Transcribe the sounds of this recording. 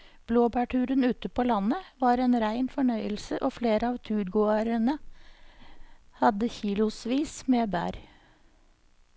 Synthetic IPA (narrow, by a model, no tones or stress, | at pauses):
b̥loːbæʈʉːɾənʉːt̪əpʰoːlɑnəʋɑːɾeːnɾæɪnfɔɳœʏəlsəʔoːfleːɾəɑːʋt̪ʰʉːɾɡoəɾənə | hɑd̪əçiːlʊsʋiːsmeːbæ̰ːɾ